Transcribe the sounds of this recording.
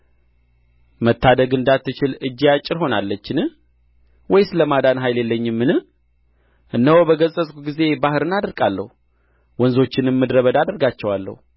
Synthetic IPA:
mət̪ːad̪əɡɨnd̪at̪ːɨt͡ʃɪlɨd͡ʒːijat͡ʃʼːɪɾɦo̞nalːət͡ʃːɪnɨ | wɔjsɨləmad̪anɦajljelːəɲːɪmːɨnɨ | ʔɨnːəwobəɡəsʼəsʼkuɡize̞bahɨɾɨnad̪əɾɡʼalːə̰hu | wɔnzo̞t͡ʃːɪnmːɨd̪ɾəβəd̪ad̪əɾɡat͡ʃːɛwalːə̰hu

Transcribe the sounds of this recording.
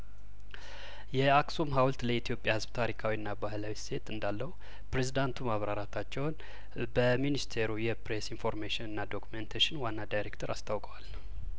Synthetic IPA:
jɛaksumɦawlt̪ləit̪ʰjo̞pʼːjahɨzbt̪ʰaɾikʰawiɨnːabahlawise̞t̪ɨnd̪alːəhu | pɾe̞zid̪ant̪ʰumaβɾaɾat̪ʰat͡ʃːɛwn | bəminist̪ʰe̞ɾujɛpɾe̞sinfo̞ɾmeʃɪnɨnːad̪o̞kument̪ʰaʃɪnwanːad̪ajɾe̞kt̪ʰəɾast̪ʰawkʼəwal

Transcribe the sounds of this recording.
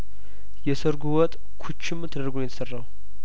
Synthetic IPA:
jɛsəɾɡuwɔt̪ʼ | kʰut͡ʃːɪmt̪ʰəd̪əɾɡunjɛt̪ʰə̥sərːaw

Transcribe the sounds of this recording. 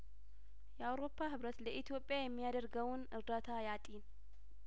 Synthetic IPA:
jɛawɾo̞pʰːaɦɨβɾət̪ləʔit̪ʰjo̞pʼːjajɛmːijad̪əɾɡəwnʔɨɾd̪at̪ʰajat̪ʼin

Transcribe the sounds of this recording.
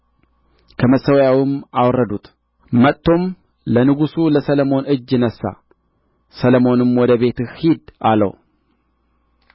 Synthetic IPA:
kʰəməsəwjawɪmawrːəd̪ut̪ | mət̪ʰːo̞m | lənɨɡusuləsələmo̞nɨd͡ʒːɪnəsːa̰ | sələmo̞nɨmwɔd̪əβe̞t̪ɨhid̪alə̰w

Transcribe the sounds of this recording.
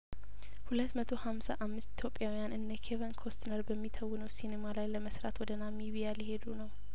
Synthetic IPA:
hulət̪ːmət̪ʰo̞hamsaʔamːɨst̪i̥t̪ʰjo̞pʼːjawijanʔɨnːəkʰevənkʰost̪ʰnəɾbəmːit̪ʰəwːɨnəwsinemalajləməsɾa̰t̪wɔd̪ənamiβijaljɪhe̞d̪unəw

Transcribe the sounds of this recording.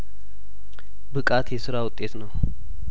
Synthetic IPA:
bɨkʼat̪jɛsɨɾawʊt̪ʼːe̞t̪nəw

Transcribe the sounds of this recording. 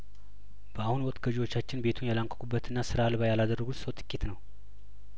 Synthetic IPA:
b̥əahunwɔkʼt̪ɡəʒiwo̞t͡ʃːat͡ʃːɪnbe̞t̪ʰunjalaŋkʷʼɔ̥kubːət̪ʰɨnːasɨɾaːlβajalad̪ərːəɡusəwt̪ʼɨ̥kʼːit̪nəw

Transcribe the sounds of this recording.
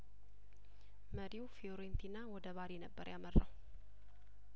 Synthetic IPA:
məɾiwfioɾent̪ʰinawɔd̪əβaɾinəbːəɾjamərːa̰w

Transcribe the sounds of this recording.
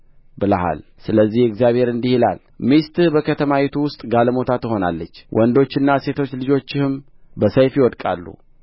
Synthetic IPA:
bɨlaɦa̰lsɨləzːihɪkzjaβhe̞ɾɨnd̪ihila̰l | mist̪ʼɾbəkʰət̪ʰəmawit̪ʰuwʊst̪ʼɡaləmo̞t̪ʰat̪ʰɨho̞na̰lːət͡ʃːwʔɔnd̪o̞t͡ʃːɪnːase̞t̪ʰo̞t͡ʃːlɨd͡ʒo̞t͡ʃːɪhɨmbəsəjfjiwɔd̪kʼalːṵ

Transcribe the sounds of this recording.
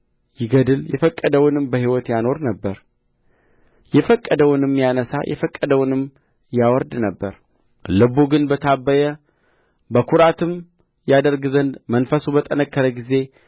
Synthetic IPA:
jɪɡəd̪ɨljɛfəkʼːəd̪əwʊnɨmbəhiwɔt̪jano̞ɾnəbːəɾ | jɛfəkʼːəd̪əwʊnɨmjanəsa̰jʔɛ̰fəkʼːəd̪əwnɨm | jawɔɾd̪nəbːəɾ | lɨbuɡɨnbət̪ʰabːəjə | bəkʰuɾat̪ʰɨm | jad̪əɾɡɨzənd̪mənfəsubət̪ʼənəkʰːəɾəɡize̞

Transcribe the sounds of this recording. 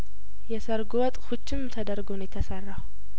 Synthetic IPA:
jɛsəɾɡwɔt̪ʼhut͡ʃːɪmt̪ʰəd̪əɾɡonjɛt̪ʰəsərːaw

